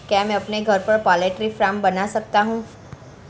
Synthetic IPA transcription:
kjamɛ̃ɐpneɡʱɐɾpɐɾpaːleʈɾifɾãːmbɐnasɐk̚t̪aɦũː

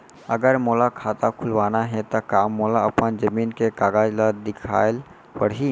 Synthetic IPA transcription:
əɡəɾmolakʰat̪akʰulʋanaɦɛ̃t̪ɔkamːolaəpənd͡ʒəminkekaɡad͡ʒləd̪ikʰa̰el | pəɽɦi

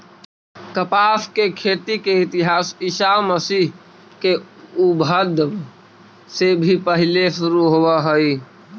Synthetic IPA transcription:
kəpaːfkekʰet̪ikeɪt̪iɦaːsɪʃaməsiɦ | keubʱəd̪ʱb | sebʱipəɦileʃuɾuɦoʋəɦəi

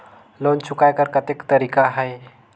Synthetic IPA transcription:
lont͡ʃʊkajkəɾkət̪ekt̪əɾikaɦəj

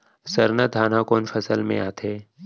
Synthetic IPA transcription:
sɐɾnad̪ʱaːnãkoːnfɐsəlmḛ̃aːt̪ʰeː

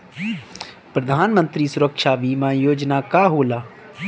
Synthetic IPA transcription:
pɾəd̪ʱaːnmə̃nt̪ɾiːsʊɾəkʃaːʋiːmãːjoːd͡ʒnaːkaːɦoːlaː

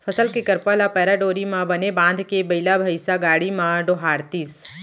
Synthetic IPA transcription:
fʰəsəlkekəɾpalapɛɾaɖoɾimãbənebãnd̪ʱkebəilabʱəjsaɡaɽimãɖoɦaɾt̪iːs

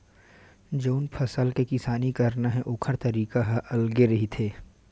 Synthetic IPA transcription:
d͡ʒoːnpʰɐsəlkekɪsaːnikɐɾnaɦɛʔʊːkʰəɾt̪ɐɾiːkaɦʔɐlɡeɾɐɦit̪ʰeː

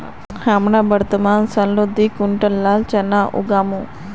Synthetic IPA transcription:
hamɳabəɾt̪əmaːnsɐnlod̪ikuɳʈəlːaːlt͡ʃɐnaʔṵɡaːmu

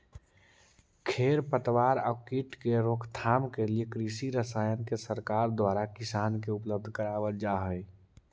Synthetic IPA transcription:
kʰeːɾpət̪ʋaːɾəkiʈkeɾoːkʰt̪ʰaːmkelijekɾisiɾəsaːjənkesəɾkaːɾd̪waːɾakɪsaːnkeʊpləb̚d̪ʱkəɾaːʋətd͡ʒaːɦəj

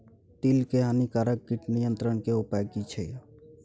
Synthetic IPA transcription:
t̪ilkeɦanikaɾək̚kiʈnijənt̪ɾəɳkeupaɡit͡ʃʰe

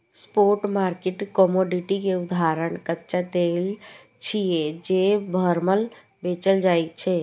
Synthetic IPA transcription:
spoɾʈmaɾkeʈkɔmoɖiʈikeud̪aɾəɳkətːt͡ʃad̪el | t͡ʃʰijed͡ʒebʱəɾməl | bet͡ʃəld͡ʒajt͡ʃʰɛ

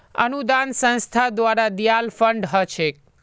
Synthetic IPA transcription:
ə̰nud̪ansə̃nst̪ʰad̪ʋaɾad̪ijalfəɳɖɦət͡ʃʰek

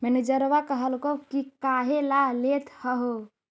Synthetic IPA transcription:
mɛnid͡ʒəɾʋakəɦəlkokikaɦelalet̪ʰhəɦo

